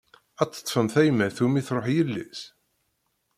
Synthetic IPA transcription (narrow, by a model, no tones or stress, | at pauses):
æt͡sːə̥t̪ˤːfəmθæjmæθumiθɾˤoħjəlːis